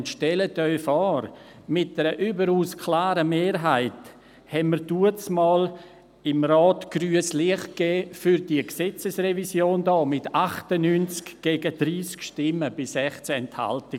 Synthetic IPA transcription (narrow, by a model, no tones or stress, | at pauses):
ntʃtɛlətœʏfɔːɾmɪt̚d̥ɛɾəʔyːbəɾuːskʰlaːɾəmeːɾɦaɪt | hɛnməɾduət͡smɑːl | ɪmrɑːtɡ̥ryːəsliəχɡɛːfyɾdiəksɛt͡səsrɛvisjoːndɔːmɪtaχtənyːnt͡skɡ̥eːɡəd̥ɾiːskʃtɪməb̥ɪsɛχt͡sɛntha̰ltɪ